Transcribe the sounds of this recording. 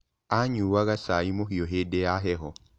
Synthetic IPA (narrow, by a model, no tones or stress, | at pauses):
aɲuːwaɣasaimoɦiɔɦedɛaɦɛɦɔ